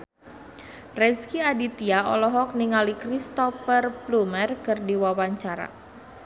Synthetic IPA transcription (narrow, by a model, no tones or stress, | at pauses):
rɛskiadit̪iaɔ̰lɔɦɔk̚niŋalikrist̪ɔfərplumərkɨrdiwawaɲt͡ʃaɾa̰